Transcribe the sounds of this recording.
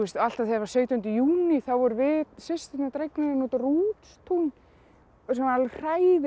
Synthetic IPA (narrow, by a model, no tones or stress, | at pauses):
ɛst̪al̥t̪aðθɛvḁsœɥt̪ɔnt̪ʏjuːniθawvɔɾʏvɪsɪst̪ɪt̪nat̪ɾejknaɾɪnot̪aruːt̪st̪ʰun | sanaalr̥aːjð